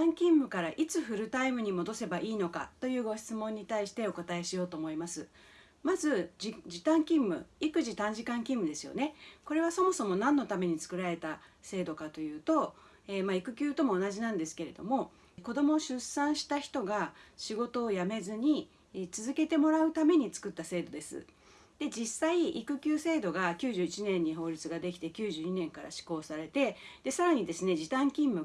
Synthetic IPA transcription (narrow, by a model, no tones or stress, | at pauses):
ãŋkʲĩmːɯ̟kaɾaʔit͡sɨɸɯ̟ɾɯ̟t̪aimɯ̟ɲ̟imo̞d̪o̞se̞baʔiːno̞ka̰t̪o̞jɯ̟ːɡo̞çʲi̥t͡sɨmõ̞ɲ̟ːit̪aiɕi̥t̪e̞o̞kot̪ae̞ɕijo̞ːt̪o̞ːmo̞imasɨ | mazɨd͡ʑid͡ʑit̪ãŋkʲĩmːɯ̟̰ikɯ̟ʑit̪ãɲ̟d͡ʑikãŋkʲĩmːɯ̟d̪e̞sɨjo̰ne̞ko̞ɾe̞βaso̞mo̞so̞mo̞nãnːo̞t̪ame̞ɲ̟it͡sɨ̥kɯ̟ɾaɾe̞t̪ase̞ːd̪o̞kat̪o̞jɯ̟ːt̪o̞ | eːmaikɯ̟kʲɨːt̪o̞mo̞ːnaʑinãnd̪e̞sɨ̥ke̞ɾe̞d̪o̞̰mo̞ | ko̞d̪o̞mo̞ːɕɨsãɰ̃ɕi̥t̪açi̥t̪o̞ɡaɕiɡo̞t̪o̞ːjame̞zɨɲ̟i | t͡sɨzɨke̞t̪e̞mo̞ɾaɯ̟t̪ame̞ɲ̟it͡sɨ̥kɯ̟t̪ːase̞ːd̪o̞d̪e̞sɨ̰ | d̪̥e̞d͡ʑisːaiikɯ̟kʲɨːse̞ːd̪o̞ɡakʲɨːʑɨːit͡ɕinẽ̞ɲ̟ːiɦo̞ːɾʲit͡sɨɡad̪e̞kʲi̥t̪e̞kʲɨːʑɨːɲ̟inẽ̞ŋkaɾa̰ɕi̥ko̞ːsaɾe̞t̪e̞d̪̥e̞saɾaɲ̟id̪e̞sɨne̞d͡ʑit̪ãŋkʲĩmːɯ̟